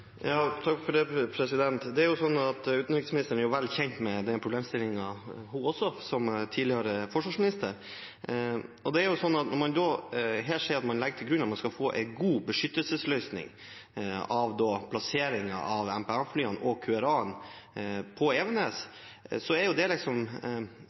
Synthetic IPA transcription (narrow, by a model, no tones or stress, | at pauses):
jɑːt̪ʰɑkfɔɖɛpʰɾɛsɪd̪ɛnt̪d̪ɛæɾjʊsɔnːɑt̪ʉːt̪nɪkɪsmnɪst̪əɾnæɾjʊʋɛlːçɛɲt̪mɛd̪ɛnpɾʊbleːmst̪ɪlɪŋɑɦuɔsɔsɔmt̪ʰiːd̪lɪhəɾəfɔʂʋɑːʂmɪnɪst̪əɾ | ɔd̪ɛæɾjʊsɔnːɑt̪nɔɾmɑnd̪ɔːɦɛːlʂɛɪɑt̪mɑnlɛɡːəʈʰɪlɡɾʉnːɑt̪mɑnskɑlfoːʔɛ̰ɪɡuːbəʂʏt̪ːəlsəslœʏsnɪ̰ŋ | ɑʋd̪ɔːpʰlɑseːɾɪŋɑ̰ʔɑʋɛmpɛæflyːɑnɔkʰʉɛɾɑːn | pʰɔɛːʋɛneːssɔæɾjʊd̪ɛlɪksɔm